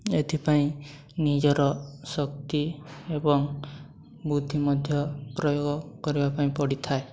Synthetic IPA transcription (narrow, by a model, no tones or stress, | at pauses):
et̪ʰipaĩ | nid͡ʒɔɾɔsɔkt̪iebɔŋ | bud̪ʱːimɔd̪ʱjɔpɾɔjoɡɔkɔɾibapaĩpɔɽit̪ʰae